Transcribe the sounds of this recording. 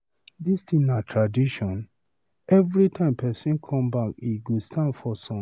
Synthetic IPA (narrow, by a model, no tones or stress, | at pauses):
distĩnatʰɹadiʃɔ̃n | ɛvɾitʰãɪ̃mpʰɛsĩnkʰɔ̃mbakiɡostʰãndfɔsɔ̃